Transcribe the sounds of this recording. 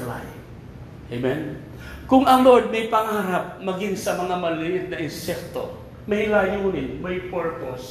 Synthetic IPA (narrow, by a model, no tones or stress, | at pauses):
la̰j | ʔejmɛn | kʊŋɐŋloɹd̪̚mɐjpɐŋaɾap̚mɐɡɪŋsɐmɐŋamɐlɪʔɪt̪̚nɐʔɪnsɛk̚t̪o̰ | mɐhɪlajuːnɪnmɐjpɛɹpos